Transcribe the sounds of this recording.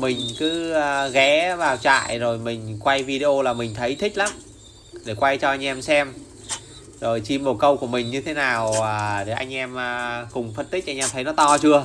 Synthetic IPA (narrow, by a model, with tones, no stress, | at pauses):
mï˨˩ŋ̟kɨː˨˦˨ɣɛ˨˦vaː˨˩wt͡ɕa̰ː˧˨jzo˨˩jmï˨˩ŋ̟kwa˧jvi˧ɗe˧ʔo˧laː˨˩mï˨˩ŋ̟t̪ʰə˨˦jt̪ʰï˦˥k̟̚laː˨˦m | ɗe˧˩kwa˧jt͡ɕɔ˧ʔa˧jŋ̟ʔɛ˧msɛ˧m | zo˨˩jt͡ɕi˧mːo˨˩kə˧wku˧˩əmï˨˩ŋ̟ɲɨ˧t̪ʰe˨˦naː˨˩wɗe˧˩ʔa˧jŋ̟ʔɛ˧mː˨˩kʊ˨˩ŋ͡mfə˧nt̪i˦˥k̚ʔa˧jŋʔɛ˧mt̪ʰə˨˦jnɔ˨˦t̪ɔ˧t͡ɕɨ˧ə